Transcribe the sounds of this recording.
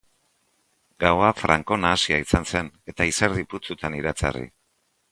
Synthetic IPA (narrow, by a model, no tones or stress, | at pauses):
ɡawafɾʔa̰ŋko̞naːsiaisanse̞ne̞t̪aiseɾðiput͡sut̪ʰaniɾat͡sa̰rḭ